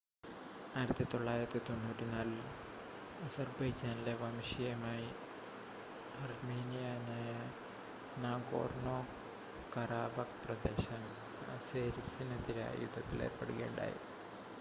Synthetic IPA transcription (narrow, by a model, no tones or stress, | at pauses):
aːjiɾɐt̪ːɨt̪o̞ɭːaːjiɾɐt̪ːɨt̪o̞nːuːtːinaːl | ɐsɐrbɐjd͡ʑaːnile̞ʋɐmʂijɐmaːji | ɐrmiːnijanajɐ | naːŋɡo̰ːrnoː | kɐɾaːbɐkprɐd̪e̞ːɕɐn | ɐ̰seːɾisinɐt̪iɾɐ̰jṵd̪ʱːɐt̪ːilḛpɐɽuɣeːɳɖa̰ːjḭ